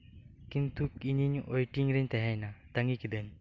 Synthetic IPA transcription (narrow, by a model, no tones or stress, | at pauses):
kint̪ukiɲiɲojʈiŋɾiɲt̪ɛɦɛjnat̪aŋɡikid̪əɲ